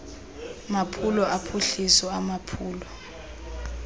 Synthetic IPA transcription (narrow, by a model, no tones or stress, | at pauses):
mapʰulɔʔapʰuɬisɔamapʰuːlɔ